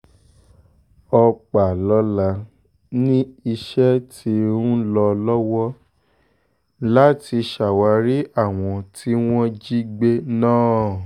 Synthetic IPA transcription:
ɔ˧k͡pa˨lɔ˨˦la˧ | nĩ˦i˧ʃɛ˦tʰi˧ɾũ˦lɔ˧lɔ˦wɔ˦ | la˦ti˧ʃa˨wa˨˧ɾi˦a˦˨w̃ɔ̃˧tʰi˦w̃ɔ̃˦d͡ʒi˦ɡ͡be˦nãː˦˨

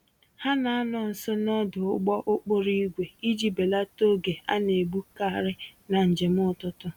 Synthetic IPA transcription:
ha˦na˨a˦nɔ˨n̩˨sʊ˦nɔ˦dʊ˨ʊ˦ɡ͡bɔ˦ʔʊ˦k͡po˦ɾi˦i˦ɡʷe˨i˦d͡ʒi˦be˨la˦to˦ɡe˨a̰˦ne˨bu˦ka˦˨ɾɪ˦na˨n̩˨d͡ʒe˨m˦ʊ˦tʊ˦tʊ˦

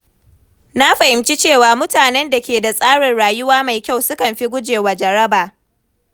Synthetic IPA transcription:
na˦ɸa˨hɪ˨mt͡ʃi˦t͡ʃeː˦˨waː˨mʊ˦taː˨nɛ˦nda˨kʲeː˨da˨sʼaː˦ɽɪ˨nɽaː˨jʊ˦waː˦ma˨jkʲa˦˨wsʊ˦kɐ˨mɸi˦ɡʷʊ˦d͡ʒeː˨wa˨d͡ʒɐ˨ɽɐ˦baː˨

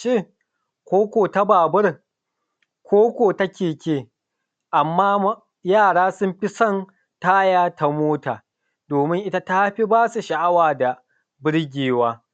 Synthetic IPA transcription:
ʃeː˦˨ | kʷoː˦kʷoː˨ta˦baː˨bʊ˦r | kʷoː˦kʷoː˨ta˦kʲeː˨kʲeː˦˨ | ʔa˨mːaː˦ | jaː˦˨ɽaː˦sʊ˦mɸi˦sɔ˦n | taː˦jaː˦tʰa˦moː˦taː˨ | doː˨mɪ˦ŋʔɪ˦ta˦ta˦ɸi˦baː˦su˨ʃɐ˨ʔa˦waː˨da˨ | bɪ˦ɽɡʲeː˨waː˦

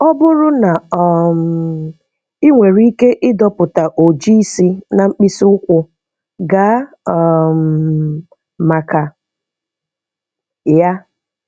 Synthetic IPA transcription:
ɔ˦bʊ˦ɾʊ˦na˨ɔ˨m˨ | i˦ŋʷe˨ɾi˦ke˦ʔɪ˦dɔ˦pʊ˨ta˨ʔo˨d͡ʒi˦si˦na˨ŋ͡m̩˦k͡pi˦si˦ʊ˦kʷʊ˨ | ɡa˦˨ | m̩ | ma˨ka˨ | ja˦

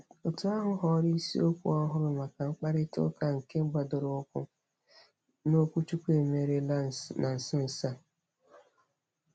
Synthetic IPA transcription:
o˨tu˨a˦ɦʊ˦ɦɔ˨ɾi˦si˦o˦kʷṵ˦ɔ˦ɦʊ˦ɾʊ˨ma˨ka˨ŋ͡m̩˦k͡pa˦ɾɪ˦tʊ̰˦ka˨ŋ̩˨ke˦ɡ͡ba˨dʊ˨ɾʊ˨ʊ˦kʷʊ̰˦ | no˦kʷu˦t͡ʃu˦kʷe˨me˨ɾe˦la˦˨na˨n̩˨sɪ˦n̩˨sa˦

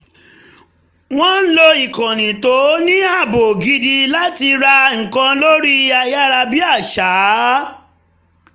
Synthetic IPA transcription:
w̃ɔ̃˦n̩˦lo˧i˨kã˨nĩ˨to˨˦nĩ˦a˦˨bo˨ɡi˧di˧la˦ti˧ɾa˧ŋ̩˨kã˧lo˦ɾi˦˧a˧˨ja˦ɾa˧bi˦a˦˨ʃa˨˦

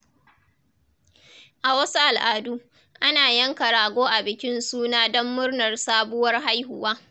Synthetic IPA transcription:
ʔa˨wɐ˦su˦ʔa˨lʔaː˨duː˦ | ʔa˦naː˨jɐ˦ŋkɐ˨ɾaː˨ɡʷoː˦ʔa˨bɪ˨kʲɪ˦nsuː˦naː˦dɔ˦mːʊ˦rnɐ˨rsaː˦bʊ˦wɐ˦rɦa˦jɦʊ˨waː˦

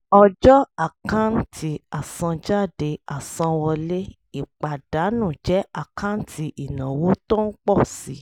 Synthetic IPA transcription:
ɔ˧d͡ʒɔ˦a˨kã˦n̩˦tʰi˧a˨sã˧d͡ʒa˦˨de˧a˨sã˧wɔ˧le˦ | i˨k͡pa˨d̥a˨˦nũ˦˨d͡ʒɛ˨˦ʔa˨kʰã˦n̩˦ti˧ʔi˨nã˨wo˨˦to˦n̩˦k͡pɔ˦˨si˨˦

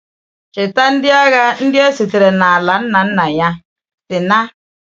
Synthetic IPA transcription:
t͡ʃɪ˨ta˦n̩˦dɪ˦a˦ɣa˦n̩˦dɪ˦a˦si˨tɪ˨ɾɛ˨na˨la˨˦n̩˦na˨n̩˦na˨ja˦ | tɪ˨na˦

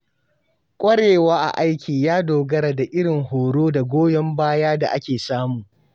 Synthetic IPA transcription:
kʷʼɐ˦ɽeː˨waː˦ʔa̰˨ʔa˦jkʲiː˨jaː˦doː˨ɡɐ˦ɾa˨da˨ʔɪ˦ɽɪ˨ŋhoː˨ɽoː˦da˨ɡʷoː˦jɔ˦mbaː˦jaː˦da̰˨ʔa˦kʲeː˨saː˦muː˨

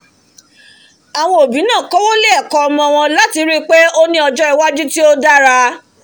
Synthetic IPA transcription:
a˨w̃ɔ̃˧o˨bi˨˦nã˦˨kɔ˦wo˦le˦ɛ˦˨kɔ˧ɔ˧mɔ̃˧w̃ɔ̃˧la˦ti˧˦ɾi˦k͡pe˦o˦nĩ˦ɔ˧d͡ʒɔ˦i˨wa˦d͡ʒu˦ti˦o˦da˦ɾa˧

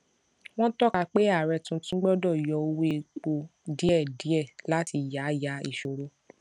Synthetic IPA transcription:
w̃ɔ̃˦tɔ˦˨ka˧k͡pe˦a˦˨ɾɛ˧tũ˧˦tũ˦ɡ͡bɔ˦dɔ˦˨jɔ˨˧o˦we˦e˧k͡po˧di˦ɛ˦˨di˨˦ɛ˦˨la˨˦ti˧ja˨˦ja˨˦i˦˨ʃo˨ɾo˧˦

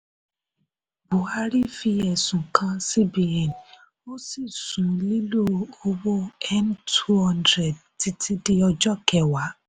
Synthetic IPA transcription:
bu˨a˧ɾi˦fi˧ɛ˨sũ˨kʰã˧si˦bi˨ɛ̃˨n | o˦si˦˨sũ˨li˦lu˦˨o˧wo˦ɛ˦ntʰu˦hã˦ndɾɛ˨d̚ti˧˦tʰi˦di˧ɔ˧d͡ʒɔ˦kɛ˨wa˨˦

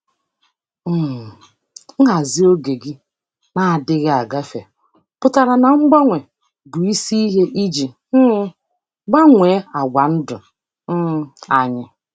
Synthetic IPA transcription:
m̩˦˨ | ŋ̩˦ɦa˨zi˦o˦ɡe˨ɡɪ˦ | na˨a˨dɪ˦ɣɪ˦a˨ɡa˦fe˨ | pʊ˨ta˨ɾa˨na˨ŋ͡m̩˦ɡ͡ba˦ŋʷe˨ | bʊ˨i˦si˦i˦ɦe˦ʔi˦d͡ʒi˨˦ | ɡ͡ba˦ŋʷeː˨˦a˨ɡʷa˨n̩˦dʊ˨˦˨ | a˨ɲɪ˦

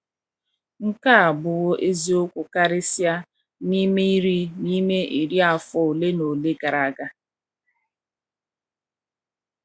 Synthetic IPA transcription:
ŋ̩˦ka˦a˨bʊ˨ɣo˦ʔe˦zi˨o˦kʷʊ˨ka˦ɾɪ˦sja˦ | ni˦me˦i˦ɾi˦ni˦me˦ʔi˨ɾi˦a˨fɔ˨o˨le˦no˨le˦ɡa˨ɾa˨ɡa˦

